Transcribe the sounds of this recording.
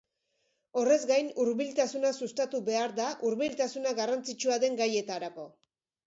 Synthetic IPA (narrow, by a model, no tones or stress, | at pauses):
o̞re̞zɡajnuɾβilt̪asunasust̪at̪uβe̞aɾðaʔuɾβilt̪asunaɣarant͡sit͡ʃuaðe̞ŋɡaje̞t̪aɾako̞